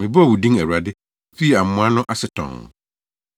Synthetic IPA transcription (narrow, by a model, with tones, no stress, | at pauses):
mĩ˨bɔ˦˨wu˨dĩ˦ŋæ˨wu˨ɾa˨dɪ˦ | fi˦˨a˨m˨mʊ̃˦a˦nʊ̃˦ʔa˦sɪ˦tʰɔ̰̃˨ŋ